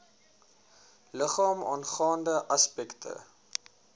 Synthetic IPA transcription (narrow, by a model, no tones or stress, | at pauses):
ləχɑːmɑ̰ːnχɑːndəʔɐspɛktʰə̰